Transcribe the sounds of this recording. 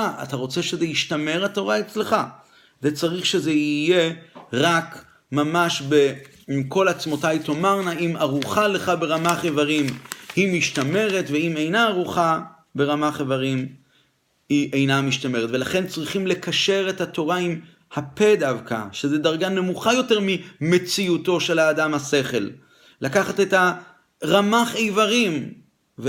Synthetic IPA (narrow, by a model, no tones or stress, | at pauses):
aa̰t̪aʁo̞t͡se̞ʃezejiʃtame̞ʁhato̞ʁaet͡sle̞χa | zet͡saʁiχʃe̞zeije̞ʁak | mamaʃbe | imko̞lat͡smo̞tajto̞maʁnaimaʁuχaleχabe̞ʁamaχevaʁimhimiʃt̪ame̞ʁetveimejnaːʁuχa | be̞ʁamaχevaʁim | hiʔe̞jnamiʃt̪ame̞ʁtvelaχe̞nt͡sʁiχimle̞kaʃe̞ʁe̞thato̞ʁaim | hape̞davka̰ʃezed̪aʁɡanemuχajo̞te̞ʁmime̞t͡siuto̞ʃe̞laːdamhase̞χe̞lː | akaχate̞tha | ʁamaχejvaʁim | v